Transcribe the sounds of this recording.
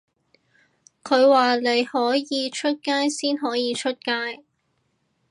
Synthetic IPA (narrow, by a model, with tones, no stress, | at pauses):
kʰɵ˨˧ɥwaː˨le˨˧jhɔː˨˥jiː˨˧t͡ʃʰɵ˥t̚kaː˥jsiː˥nɦɔː˨˥jiː˨˧t͡ʃʰɵ˥t̚kaː˥j